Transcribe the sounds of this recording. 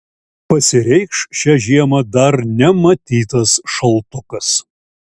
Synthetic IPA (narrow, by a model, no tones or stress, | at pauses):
pɐsʲɪɾʲɛɪkʃʃʲɛʒʲiɛmɐd̪ɐɾnʲɛmɐt̪ʲiːt̪ɐsʃɐlˠt̪ʊkɐs